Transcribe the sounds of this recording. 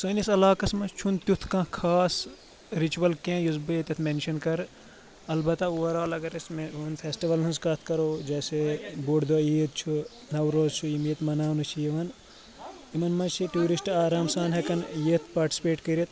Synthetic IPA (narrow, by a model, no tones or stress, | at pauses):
sonisɐlaːkɐsmɐst͡ʃʰunt̪jut̪ʰkɐ̃kʰaːs | ɾit͡ʃuʋɐlkẽjuzbɨet̪ʲɐt̪ʰmenʃɐnkɐɾ | ɐlbɐt̪ɐuʋɐɾaːlɐɡɐɾɐsmɦunpʰeːsʈiʋɐlnɐnskɐt̪ʰkɐɾoːd͡ʒɛːsebuɖd̪oːiːt̪̚t͡ʃʰu | nɐwɾoːzt͡ʃʰuimjet̪mɐnaːnut͡ʃʰijiʋɐn | imɐnmɐt͡ʃʰiʈuːɾisʈaːɾaːmsaːnɦekɐnjet̪ʰpaːʈi̥si̥peːʈkɐɾit̪